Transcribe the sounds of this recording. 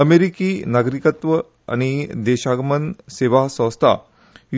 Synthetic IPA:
əmeɾikiːnaɡɾikət̪ʋə | a̰ɽ̃id̪eɕaɡmənseʋasə̃st̪ʰa̰

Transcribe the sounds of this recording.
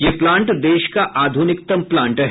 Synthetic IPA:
jeplãːɳʈd̪eːʃkaʔaːd̪ʱunɪkt̪əmplãːɳʈɦ

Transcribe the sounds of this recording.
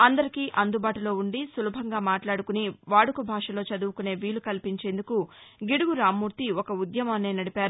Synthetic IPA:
ɐnd̪ɐɾikiːʔɐnd̪ubaːʈulo̞ːuɳɖisulubʱɐŋɡaːmaːʈlaːɽukuniʋaːɽukubʱaːʂɐlo̞ːt͡ʃɐd̪uʋukune̞ːʋiːlukɐlpiɲt͡ʃe̞ːnd̪ukuɡiɽuɡuɾaːmːuːɾt̪iɔkɐud̪jɐmɐːneːnɐɽipaːɾu

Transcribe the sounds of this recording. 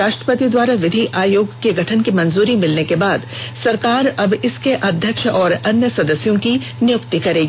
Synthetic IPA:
aːʃʈɾəpət̪id̪waːɾaʋɪd̪ʱiʔaːjoːɡkeɡʱɐʈʰənkimɐnzuːɾimɪlnekebaːd̪ | sɐɾkaːɾɐbɪskeʔɐd̪ʱjəkʃɔːɾɐnjəsɐd̪əsjõki | nɪjʊkt̪ikɐɾeːɡi

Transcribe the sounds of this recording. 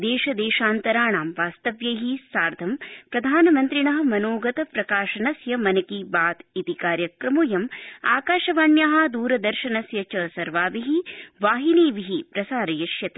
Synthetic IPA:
d̪eːʃɐd̪eːʃaːnt̪ɐɾaːɳaːmʋaːst̪ɐʋjɐɦisaːɾd̪ʱɐmpɾɐd̪ʱaːnɐmɐnt̪ɾiɳɐɦɐ̆mɐnoːɡɐt̪ɐpɾɐkaːʃɐnɐsjɐmɐnɐkibaːt̪it̪ikaːɾjɐkɾɐmujɐma̰ːkaːʃɐʋaːnjɐɦɐd̪uːɾɐd̪ɐɾʃɐnɐsjɐt͡ʃɐːsɐɾʋaːʋiɦiʋaːɦiniːʋiɦipɾɐsaːɾɐjɐʃjɐt̪e̥

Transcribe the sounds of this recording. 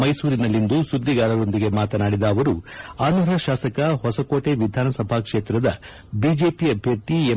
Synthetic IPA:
mɐjsuːɾinɐlːind̪usud̪ʱːiɡaːɾɐɾo̞nd̪iɡe̞maːt̪ɐnaːɽid̪ɐːʋɐɾuaːnɐɾɐʃaːsɐkɐɦɔsɐkoːʈe̞ʋid̪ʱaːnɐsɐbʱaːkʂeːt̪ɾɐd̪ɐ | biːd͡ʒe̞ːpijɐbʱjeɾʈie

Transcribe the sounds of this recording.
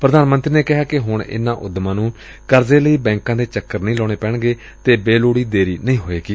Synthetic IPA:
pɾəd̪aːnmə̃nt̪ɾiːneːkɪɦaːkɪɦʊɳɪ̰nãːʔʊ̰d̪mãːnũː | kəɾzeːləiːbɛ̃ːŋkãːd̪eːt͡ʃəkːəɾnĩːlɔːɽ̃eːpɛ̃ːɳɡeː | t̪eːbeːloːɽiːd̪eːɾiːnəĩːɦoːeːkiː

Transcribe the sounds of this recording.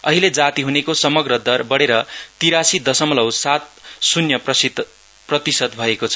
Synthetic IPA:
ʌ̰ɦiled͡zat̪iɦunekosʌmʌɡrʌd̪ʌrbʌɽeɾʌt̪iɾasid̪ʌsʌmlʌwsat̪̚sunjʌpʌsid̪ | prʌt̪isʌd̪bʱʌekot͡sʰʌ̥

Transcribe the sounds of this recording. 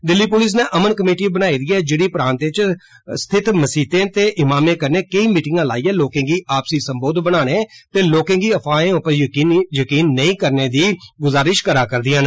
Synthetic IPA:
d̪ɪlːiːpʊlɪs̬nẽːʔəmənkəmeːʈiːbənaːid̪iːɛːd͡ʒeːɽiːpəɾãːnt̪et͡ʃ | st̪ʰɪt̪məsiːt̪ẽːt̪eːʔɪmaːmẽːkəɾneːkəiːmiːʈɪŋɡãːlaːiːɛːloːkẽːɡiːʔaːpsiːsəmboːd̪bəɽaːɽ̃eːt̪eːloːkẽːɡiːəpʰaːẽːʊpəɾjkiːnjəkiːnːəĩːkəɾneːd̪iːɡʊzaːɾɪʃkəɾaːkəɾd̪ɪjãːn

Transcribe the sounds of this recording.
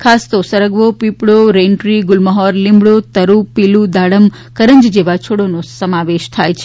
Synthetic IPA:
kʰast̪osəɾəɡʋopipɽoɾenʈɾiɡʊlməɦɔɾlĩmbɽot̪əɾupilud̪aɽəm | kəɾəɲd͡ʒd͡ʒeʋat͡ʃʰoɽonosəmaʋeʃt̪ʰajt͡ʃʰe

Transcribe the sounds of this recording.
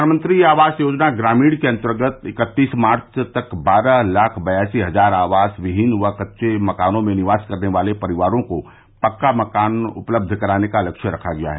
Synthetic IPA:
nmə̃nt̪ɾiaːʋaːsjoːd͡ʒnaɡɾaːmiːɽkeɐ̃nt̪əɾɡət̪ɪkət̪ːiːsmaːɾt͡ʃt̪ɐkbaːɾalaːkʰbɐjaːsiɦɐzaːɾaːʋaːsʋɪɦɪnʋakətːʃemɐkaːnõmẽnɪʋaːskɐɾneʋaːlepɐɾɪʋaːɾõko | pɐkːamɐkaːnʊ̰pləb̚d̪ʱkɐɾaːnekalɐkʃəɾɐkʰaɡɐja̰ɦɛ

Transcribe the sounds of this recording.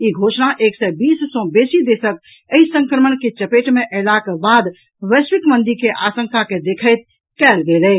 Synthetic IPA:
iɡʱosnaʔeksɛbisːɔ̃besid̪esək̚ | əisə̃ŋkɾəmənket͡ʃəpeʈmeʔəɪlakebad̪ | ʋəsʋikmənd̪iɾkeʔasəŋkaked̪ekʰəɪt̪̚ | kɛlɡelɛ

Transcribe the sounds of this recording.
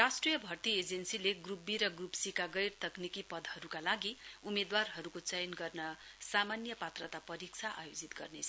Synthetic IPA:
rasʈrijʌbʱʌrt̪ied͡zensileɡrubiɾʌɡrupsikaɡʌjrt̪ʌknikipʌd̪ʱhʌɾukalaɡiumed̪warɦʌɾukot͡sʌjnɡʌrnʌsamanjʌpat̪rʌt̪apʌɾik̚t͡sʰaʔa̰jod͡zit̪ɡʌ̰rnet͡sʰʌ

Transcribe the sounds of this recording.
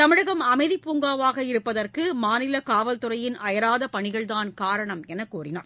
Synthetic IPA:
t̪ɐmɪɻɐɣɐmɐmɐɪðipuːŋɡaːʋaːɣɐɪɾɯpːɐðɐrkɯmaːnɪlɐkaːʋɐlt̪ɯɾɐjɪnʔɐjɐɾaːðɐpɐɳɪɣɐɭðaːnkaːɾɐɳɐmɛnɐkuːrɪna̰ːɾ

